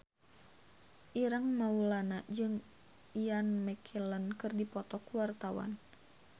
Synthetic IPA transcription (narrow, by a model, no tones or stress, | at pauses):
ʔiɾaŋmaulanad͡ʒɨŋ | ianmɛkʰilənkɨrdipɔt̪ɔkuwart̪awa̰n